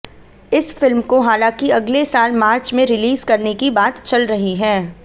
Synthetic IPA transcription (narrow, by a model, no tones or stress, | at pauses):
ɪsfɪlmkoɦaːlãːkiɐɡlesaːlmaːɾt͡ʃmẽɾɪliːzkɐɾnekibaːt̪t͡ʃɐlɾɐɦiɦɛː